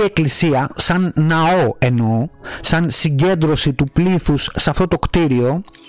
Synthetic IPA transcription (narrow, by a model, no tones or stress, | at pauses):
ie̞klisiɐsɐnːɐo̞e̞no̞sɐnsiɲɟe̞nd̪ɾo̞sit̪upliθusːɐft̪o̞t̪o̞kt̪iɾio̞